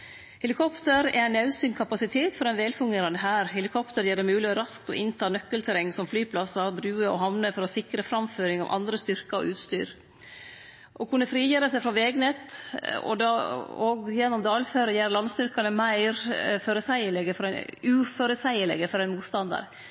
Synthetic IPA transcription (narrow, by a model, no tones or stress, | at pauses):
hɛlɪkʰɔpt̪əɾɛ̰ɾæɪnɑʉsyːnkʰɑpɑsɪt̪ʰeːt̪fɔɾɛɪnʋeːlfʉŋɡeːɾɑnəɦæːɾhɛlɪkʰɔpt̪əɾjeːɖɛmʉːlɪɔɾɑskt̪ɔ̰ʔɪnt̪ʰɑːnœkːəlt̪ʰəɾɛŋsɔmflyːpʰlɑsɑbɾʉːəɔ̰ɦɑʋnəfɔɾɔsɪkɾəfɾɑmføːɾɪŋɑ̰ʋʔɑ̰nd̪ɾəst̪ʏɾkəɾɔ̰ʔʉːt̪st̪y̰ːɾ | ʔɔkʰʉnːəfɾiːjeːɾəsɛɪfɾɔʋeːɡnet̪ɔ̰d̪ɑoːɡjɛnːɔmd̪ɑːlføːɾəjæːɾlɑnst̪ʏɾkɑnəmæɪɾfɔɾəsæɪəlɛɡəfɔɾʉːfɔɾəsæɪəlɛ̰ɡəfɔɾɛɪnmuːt̪st̪ɑnd̪ɑ̰ɾ